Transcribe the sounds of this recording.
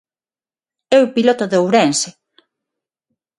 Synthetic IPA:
ɛwpilot̪oðeowɾɛnse

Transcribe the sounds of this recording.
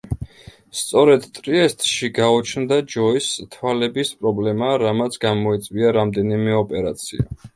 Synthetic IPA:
st̪sʼɔɾɛd̪t̪ʼɾiɛst̪ʼʃiɡaɔt͡ʃʰnd̪ad͡ʒɔist̪ʰwalɛbispʼɾɔblɛmaɾamat̪sʰɡamɔɛt̪sʼviaɾamd̪ɛnimɛɔpʼɛɾat̪sʰia̰

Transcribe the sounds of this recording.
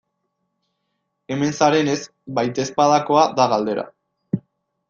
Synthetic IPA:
e̞me̞nsaɾe̞ne̞z | bajt̪e̞spaðako̞aðaɣald̪e̞ɾa̰

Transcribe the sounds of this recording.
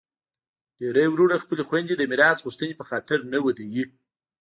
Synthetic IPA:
ɖ̥eɾəjwɾuɽaxpəlexwand̪id̪əmɪɾɑsɣuʂt̪ənepəxɑt̪ɪɾnawəd̪əwi

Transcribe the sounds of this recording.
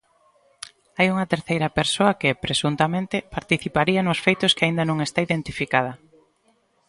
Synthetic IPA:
ajuŋɐt̪eɾθejɾɐpeɾsoɐkɪpɾesunt̪amẽnt̪ɪpaɾt̪iθipaɾiɐnʊsfejt̪ʊskeaĩnd̪ɐnõŋest̪aiðẽnt̪ifikað̞ɐ

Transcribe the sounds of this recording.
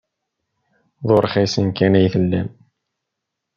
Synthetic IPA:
ðˤoɾˤχisənkænæjθəlːæm

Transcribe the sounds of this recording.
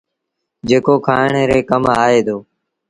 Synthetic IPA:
d͡ʒeːkoːkʰaːɳeːɾeːkəmɦaːeːd̪oː

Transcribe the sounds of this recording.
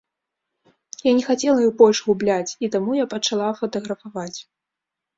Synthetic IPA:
janʲɛxat͡sʲɛlˠɐjibɔlʲʐɣublʲat͡sʲit̪amujapɐt͡ʂalˠafɐt̪ɐɣɾɐfavat͡sʲ

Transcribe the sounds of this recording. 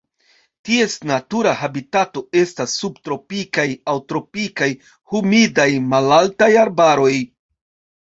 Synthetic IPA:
tie̞snatuɾahabitato̞e̞stasːubtɾo̞pikajawtɾo̞pikaj | humidajmalaltajaɾbaɾo̞j

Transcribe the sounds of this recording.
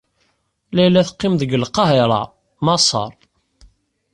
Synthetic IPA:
læjlːæθəqːɪmðəɡəlqːɑɦeɾˤɑ̰ | mɑsˤɑ̰ɾˤ

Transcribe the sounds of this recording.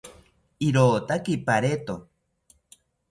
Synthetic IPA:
iɾoːt̪akipaɾet̪o

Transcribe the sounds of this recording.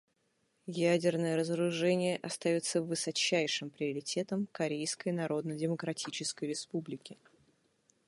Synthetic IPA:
jædʲɪrnəjəɾəzəɾʊʐɛnʲɪjəʔɐst̪ɐjot̪səvɨsɐt͡ɕːæjʂɨmpɾʲɪəɾʲɪtʲe̞t̪əmkɐɾʲejskəjnɐɾo̞d̪nədʲɪməkɾɐtʲit͡ɕɪskəjɾʲɪspublʲɪkʲɪ

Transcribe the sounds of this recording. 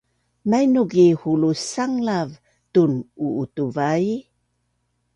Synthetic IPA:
majnuɡihulusaŋlav | tunuːtuvaj

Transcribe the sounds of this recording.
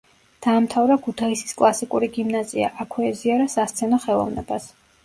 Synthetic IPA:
d̪̥aːmt̪ʰavɾakʰut̪ʰaisi̥skʼlˠasikʼuɾiɡimnazia̰ʔakʰwɛɛziaɾasast̪sʰɛnɔχɛlˠɔ̰vnɛ̰bas

